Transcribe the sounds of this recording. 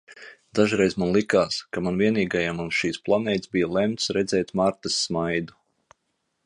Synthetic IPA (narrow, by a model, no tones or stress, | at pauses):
d̪̥aʒuɾɛjzmanlˠikaːskamanviɛniːɡajamunʃiːsplˠanɛːt̪sbijalˠɛmt̪sɾɛd̪zɛːjt̪maɾt̪ɨsːmajd̪u